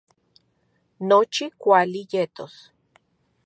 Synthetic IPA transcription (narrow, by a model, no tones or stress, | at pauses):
not͡ʃikʷalijet̪os